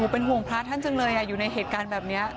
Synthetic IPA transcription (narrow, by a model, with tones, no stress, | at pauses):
u˧˩˦pe˧nɦu˨˩əŋpʰaː˦˥t̪ʰa˥˩nt͡ɕa˧ŋlɤː˧jʔa˨˩juː˨˩na˧jɦeː˨˩t̪̚kaː˧nbɛː˨˩p̚ni˦˥ɐ